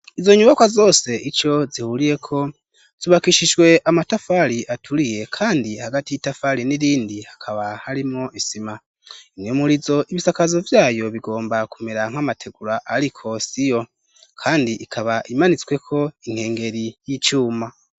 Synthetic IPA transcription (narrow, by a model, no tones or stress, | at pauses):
izo̞ɲuβakwazo̞ːse̞ʔit͡ʃo̞zihuɾije̞kʰo̞ | z̥iβakiʃiʃwe̞ʔamatafaɾiʔatʰuɾije̞kʰaːndihaɡatijitafaɾiniɾiːndihakʰaβahaɾimŋo̞ʔisima | iŋumuɾizo̞ʔiβisakazo̞vjaːjo̞βiɡo̞ːmbakumeɾaŋ̥hamatʰe̞ɡuɾaʔaɾikʰo̞sijo̞ | kʰaːndiʔikʰaβaʔimanit͡swe̞kʰo̞iŋ̥he̞ːŋɡe̞ɾijit͡ʃuːma